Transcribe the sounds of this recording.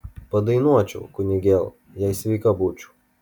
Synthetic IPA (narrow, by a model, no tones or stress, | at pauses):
pɐd̪ɐɪnuɔt͡ʃʲɛ̰ʊkʊnʲɪɡʲelˠ | jɛɪsʲʋʲɛɪkɐbuːt͡ʃʲʊ̥